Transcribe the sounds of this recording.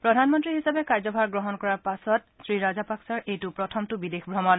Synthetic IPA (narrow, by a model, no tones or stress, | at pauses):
pɹɔdʱanmɔntɹiɦisabɛkaɹzɔbʱaɹɡɹɔɦɔnkɔɹaɹpasɔt | sɹiɹazapaksaɹʔejtʊpɹɔtʰɔmtʊbidexbʱɹɔmɔn